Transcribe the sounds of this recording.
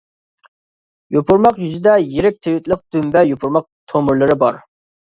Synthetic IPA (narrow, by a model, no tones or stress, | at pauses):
jopʰuɾmɑqjyzɪd̪ɛjeɾɪk̚ʲt̪ʰewɪt̪lˠəq̚d̪̥ymvɛjopʰuɾmɑq̚t̪ʰomʊɾlˠɨɾɪbɑɾ